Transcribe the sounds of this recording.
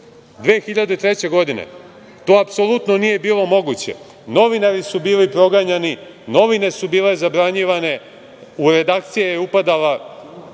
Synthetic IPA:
d̪ʋeːxiʎad̪et̪ɾet͡ɕe̞ɡo̞d̪inḛ | t̪o̞ːapsolˠut̪nonije̞biːlˠo̞mo̞ɡut͡ɕḛ | no̞ʋinaɾisubiːlipɾo̞ɡaɲani | no̞ʋine̞subiːle̞zabɾaɲiʋane̞ | uɾe̞d̪aːkt̪sijejeupad̪ala

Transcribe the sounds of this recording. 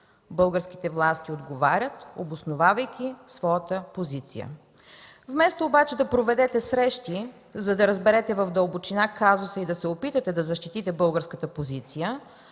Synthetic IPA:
bɤlˠɡəɾsk̟it̪ɛvlˠast̪iod̪ɡovaɾʲət̪obosnovavəjkʲisvɔjət̪əpozit̪sḭjə̰ | vmɛst̪oːbat͡ʃɛd̪ɐpɾovɛd̪ɛt̪ɛsɾɛʃt̪i | zɐd̪ɐɾəzbɛɾɛt̪ɛvɐfd̪ɐlˠbot͡ʃinakazʊsəid̪ɐsɛopit̪ət̪ɛd̪ɐzɐʃt̪it̪it̪ɛbɤlˠɡəɾskət̪əpozit̪sijə

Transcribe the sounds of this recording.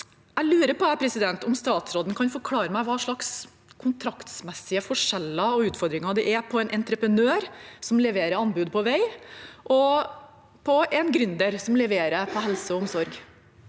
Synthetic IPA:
æɪlʉːɾəpɔɛpʰɾɛsɪd̪ɛnt̪ɔmst̪ɑːt̪sɾoːd̪ən̩kʰɑnfɔɾkʰlɑːɾəmæɪʋɑːʂɭɑks | kʰʊnt̪ʰɾɑkt̪smɛsːɪəfɔʂɛlːɑɔʉːt̪fɔɾd̪ɾɪŋɑd̪ɛʔɛpʰɔɛnʔɛnt̪ɾəpɾənøːɾsɔmlɛʋeːɾəɾɑnbʉːd̪̚pʰɔʋæɪʔɔ | pʰɔɛnɡɾʉnd̪əɾsɔmlɛʋeːɾəpʰɔɦɛlsəɔɔmsɔɾɡ

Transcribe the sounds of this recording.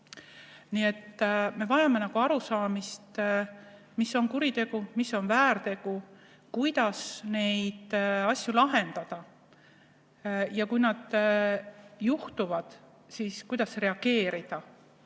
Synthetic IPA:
niːe̞t̪ːme̞vɑjɑme̞nɑɡ̥uɑɾusɑːmist̪ | misːo̞nkuɾit̪e̞ɡ̥umisːo̞nvæːɾt̪e̞ɡ̥u | kujd̪̥ɑsne̞jd̪̥ɑsʲjulɑɦe̞nd̪̥ɑd̪̥ɑ | jɑkujnɑd̪̥ | juht̪uvɑd̪̥ | siːskujd̪̥ɑsre̞ɑɡ̥e̞ːɾid̪̥ɑ

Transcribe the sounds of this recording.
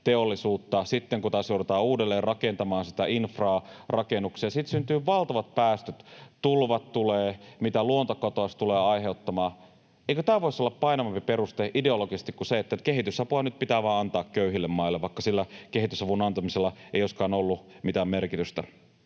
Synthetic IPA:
t̪eolːˑisuːt̪ːɑsit̪ːeŋkut̪ɑːsjowɾet̪ɑːuːdelːeːrrɑkent̪ɑmɑːnsi̥t̪æʔinfrɑːrɑkenukseːsit̪synt̪yːʋɑlt̪ɑʋɑt̪̚pæːst̪øt̪t̪ulʋɑt̪t̪uleːmit̪æluont̪ɑkot̪oɑst̪uleːɑiɦeut̪ːɑmɑː | eikøt̪æːʋo̞isːolːɑppɑinɑʋɑmpiperust̪eʔideoloɡise̥st̪ikkuseet̪ːækeɦit̪ysɑpuɑnyt̪̚pit̪æːʋɑːɑnt̪ɑːkkøyɦilːemmɑilːeʋʋɑikːɑsilːækeɦit̪ysɑpunɑnt̪ɑmiselːɑeioskɑːnolːumit̪æːmmerkit̪yst̪æ̰

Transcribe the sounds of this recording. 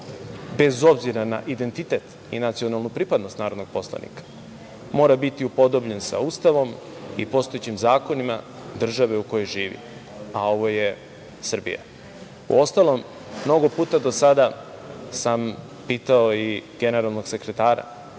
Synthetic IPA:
be̞zo̞bziɾana̰ʔid̪e̞nt̪it̪e̞t̪ | ḭnat̪sio̞nalˠnupɾipad̪nost̪naːɾo̞d̪no̞ɡ̚po̞slˠa̰nḭkḁ | mo̞ːɾabit̪iupo̞d̪o̞bʎensa̰uːst̪aʋo̞m | ipo̞st̪o̞jet͡ɕimzaːko̞nima | d̪r̩ʒaʋe̞uko̞jojʒiːʋḭ | ao̞ʋo̞je | sr̩bḭja̰ | ṵo̞st̪alˠo̞mː | no̞ɡo̞puːt̪ad̪o̞sad̪a | sam | piːt̪aoiɡe̞ne̞ɾalˠno̞ɡse̞kɾe̞t̪aːɾa̰

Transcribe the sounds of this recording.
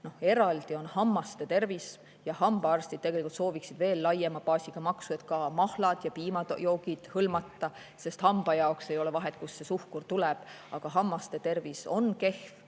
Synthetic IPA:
no̞he̞ɾɑld̪̥io̞nhɑmːɑst̪et̪e̞rvis | jɑhɑmb̥ɑɑrst̪id̥̪t̪e̞ɡ̥e̞likult̪so̞ːviksid̪ve̞ːlːɑjemɑpɑːsʲiɡ̥ɑmɑksuet̪kɑmɑhlɑd̪̥jɑpiːmɑjo̞ːɡid̪̥hɤlmɑt̪ːɑ | se̞st̪hɑmb̥ɑjɑokse̞jo̞lɛvɑɦet̪̚ˑkusːe̞suhkurt̪ulɛb̥ | ɑɡ̥ɑɦɑmːɑst̪e̞t̪e̞rviso̞nke̞hf

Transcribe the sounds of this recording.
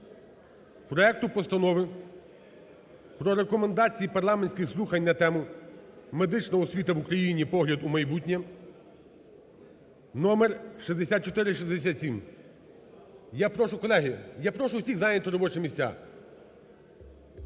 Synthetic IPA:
pɾɔɛk̚t̪ʊpɔst̪ɐnɔʋɪ | pɾɔɾekɔmend̪ɑt͡sʲijipɐrlˠɑmenʲsʲkɪxslˠuxɐnʲnɐt̪ɛmʊ | me̞d̪ɪt͡ʃnɐɔsʲʋʲit̪ɐʋukɾɐjinʲipɔɦlʲɐd̪umɐjbutʲnʲɛ | nɔmerʃizd̪esʲat̪̚t͡ʃɔt̪ɪɾɪʃizd̪esʲat̪ʲsʲim | japɾɔʃʊkɔlˠɛɦijapɾɔʃʊʊsʲiɣzajnʲɐt̪ʊɾɔbɔt͡ʃemʲisʲt͡sʲa̰

